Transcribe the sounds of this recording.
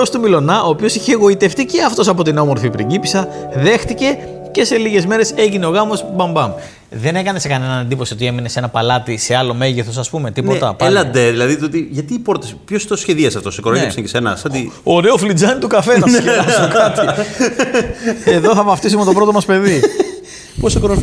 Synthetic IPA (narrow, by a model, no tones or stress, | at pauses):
ost̪umilo̞nɐʔo̞ːpio̞siçeːɣo̞it̪e̞ft̪ice̞ɐft̪o̞sɐpo̞t̪ino̞moɾfipɾiɟipisɐ | ðe̞xt̪ice̞ | ce̞se̞liʝe̞zme̞ɾe̞se̞ʝineo̞ɣɐmo̞sbɐmbɐm | ðe̞ne̞kɐne̞sekɐne̞nɐnɐnd̪iposio̞t̪ie̞mine̞se̞nɐpɐlɐt̪ise̞ɐlo̞me̞ʝeθo̞s̬ɐspume̞t̪ipot̪ɐpelɐnd̪eðilɐðit̪ot̪iʝɐt̪iːpo̞ɾt̪espçost̪osçe̞ðiɐsɐft̪o̞sekoɾoçesɐɲcesenɐsɐd̪ioɾe̞oflid͡zɐnit̪ukɐfe̞nɐeɐsokɐt̪i | eðoθɐvɐft̪isumet̪opɾo̞t̪omɐspe̞ði | posekoɾo